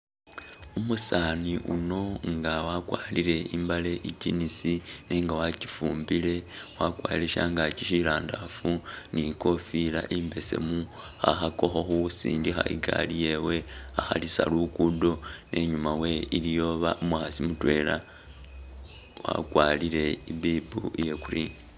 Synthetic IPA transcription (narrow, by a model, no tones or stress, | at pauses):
umusaːniʔuno̞ŋɡawakwaːliɾe̞imbale̞ʔicinisineːŋɡawacifuːmbile̞wakwaːileʃa̰ŋɡat͡ʃiʃilaːndafuniko̞fila̰ʔimbe̞se̞̰mu | xa̰xakoxoxusḭːndixa̰ʔḭɡa̰lije̞we̞axa̰lisa̰lukudo̞nʔe̞ɲumawe̞ilijo̞βaʔumaxasimutwe̞la | wa̰kwalile̞ibibuije̞kuriːŋɡa